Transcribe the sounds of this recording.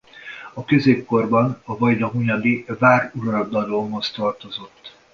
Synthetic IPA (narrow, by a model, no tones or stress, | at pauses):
ɒkøzeːp̚ko̞rbɒnɒvɒjlɒɦuɲɒd̪ivaːruɾɒd̪ɒloːmɦo̞st̪ɒrt̪o̞zo̞t̪ː